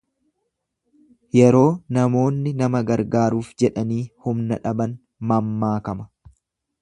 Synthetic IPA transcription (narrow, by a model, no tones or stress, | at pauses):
jɛɾo̞ːnɐmo̞ːnːɪnɐmɐɡɐɾɡaːɾuːfd͡ʒɛᶑɐniːhʊmnɐᶑɐbɐn | mɐmːaːkɐmɐ